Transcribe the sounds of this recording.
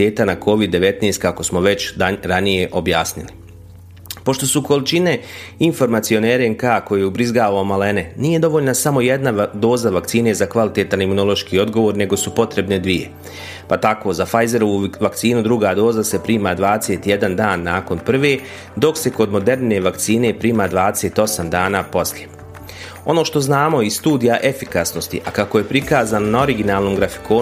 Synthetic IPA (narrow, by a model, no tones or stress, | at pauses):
eːt̪anakʰo̞ʋid̪ːe̞ʋe̞t̪nest̪̚kako̞smo̞ʋe̞t͡ɕɾanije̞ʔo̞bjaːsnili | po̞ʃt̪o̞suko̞lit͡ʃine̞info̞ɾmat̪sio̞neɾeŋkaːko̞jejeubɾizɡaːʋaomale̞ne̞niːje̞d̪o̞ʋo̞ːʎnasamo̞jed̪nad̪o̞ːzaʋakt̪siːne̞zakʋalit̪e̞t̪animuno̞lˠo̞ʃkiːo̞d̪ɡo̞ʋoːɾne̞ɡo̞supo̞t̪ɾe̞bne̞d̪ʋije̞̰ | pat̪ako̞ːzafajze̞ɾoʋuʋakt̪siːnud̪ɾuɡaːd̪o̞ːzase̞pɾiːmaːd̪ʋaːd̪eset̪jed̪and̪aːnːaːko̞npr̩ʋe̞ː | d̪o̞kse̞ko̞d̪mo̞d̪e̞ɾne̞ʋakt̪siːne̞pɾiːmaːd̪ʋaːd̪ese̞ːt̪o̞samd̪aːnaːpo̞sʎje | o̞no̞ːʃt̪o̞znaːmo̞isst̪uːd̪ijaʔe̞fikasnost̪ḭʔakakoje̞pɾikaːzaːnonao̞ɾiɡinaːlˠnoːmɡɾafi̥ko̞ː